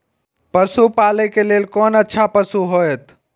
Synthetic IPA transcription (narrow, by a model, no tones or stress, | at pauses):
pəsupalɛkelelkɔːnətːʃʰapəsuɦoet̪